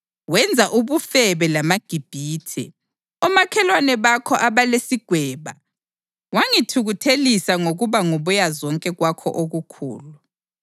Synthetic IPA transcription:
wɛnd͡zʱaʔuβufɛβɛlamaɡ̥ʱib̥ʱiːtʰɛ̰ | ɔmakʰɛlwanɛβakʰɔʔaβalesiɡ̥ʱwɛːβa̰ | waŋitʰuɣutʰelisaŋoɣuβaŋuβujazɔŋkʼɛɣwakʰɔ̰ʔoɣukʰṵːlu

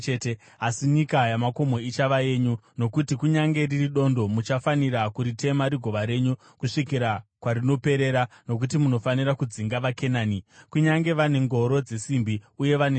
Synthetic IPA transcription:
t͡ʃete | asiɲikajamako̞mo̞it͡ʃaʋaje̞ːɲuno̞kutikuɲaŋɡe̞ririɗo̞ndo̞mut͡ʃafaniɾakuɾite̞maɾiɡʱo̞ʋaɾe̞ɲu | kuʂikiɾakwaɾino̞pe̞ɾe̞ɾa | no̞k̬ut̬imuno̞faniɾakud͡ziŋɡaʋakenaːnikuɲaŋɡe̞ʋane̞ŋɡo̞ɾo̞d͡ze̞simbiuje̞ʋane

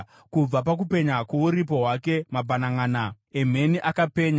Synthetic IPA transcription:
kub͡vapak̬upe̞ɲakwouɾip̬o̞ɦwake̞mabʱanaŋaːna | em̤e̞niʔakape̞ːɲa

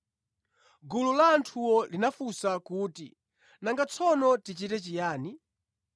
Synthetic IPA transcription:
ɡululaːntʰuwɔlinafusakuːti | naŋɡat͡sʰɔnɔtit͡ʃitɛt͡ʃijaːni

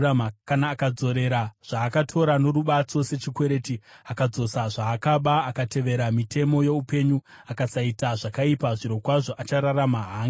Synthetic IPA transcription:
akanaːkad͡zo̞ɾe̞ɾaʐ̥aːkatʰo̞ɾano̞ɾuɓat͡so̞se̞t͡ʃikwe̞ɾe̞ːtiakad͡zo̞saʐaːkaɓaːkatʰe̞ʋe̞ɾamitʰe̞mo̞je̞upe̞ɲuakasaitaʐakaipaʐiɾo̞kwaʐo̞ʔat͡ʃaɾaramaɦaːŋɡ

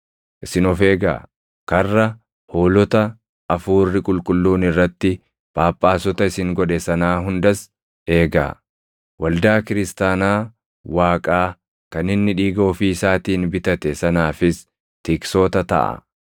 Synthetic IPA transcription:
ʔɪsɪnɔfe̞ːɡa̰ː | kɐrːɐ | hoːlɔt̪ɐ | ʔɐfuːrːɪkʼʊlkʼʊlːuːnɪrːɐt̪ːɪ | b̥aːpʼːaːsɔt̪ɐɪsɪŋɡɔᶑɛsɐnaːɦʊnd̪ɐs | e̞ːɡa̰ː | wɐld̪aːkɪɾɪst̪aːnaː | waːkʼaː | kɐnɪnːɪᶑiːɡoːfiɪsaːt̪iːnbɪt̪ɐt̪ɛsɐnaːfɪs | t̪ɪkso̞ːt̪ɐt̪ɐ̰ʔɐ̰

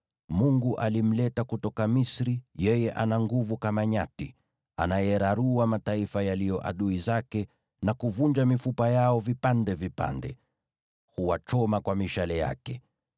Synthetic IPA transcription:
muŋɡuʔalim̩lɛtakutɔkamisɾijɛjɛʔanaŋɡuvukamaɲati | a̰najɛɾaɾuamataifajalijɔʔa̰ɗuizakɛ | nakuvund͡ʒamifupajaɔvipandɛvipa̰ndɛ̰ | huwat͡ʃɔmakwamiʃalɛja̰kɛ

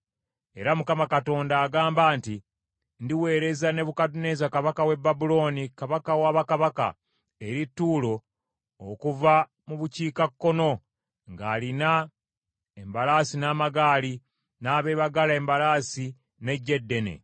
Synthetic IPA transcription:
e̞ɾamukamakato̞ːndaːɡaːmbaːnti | ndiwe̞ːɾe̞zane̞βukatune̞ːzakaβakawe̞bːabulo̞ːnikaβakawaːβakaβaka̰ | e̞ɾitːuːlo̞ː | kuva | muβuciːkakːo̞no̞ | ŋɡaːlina | embalaːsinaːmaɡaːli | naːβe̞ːβaɡalaembalaːsi | ne̞ɟːe̞dːe̞ne̞̰

